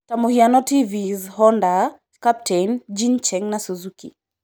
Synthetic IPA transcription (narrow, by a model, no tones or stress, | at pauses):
tamuhianɔtivizɦɔnda | kap̚tʰɛnd͡ʒint͡ʃɛŋnasuzukḭ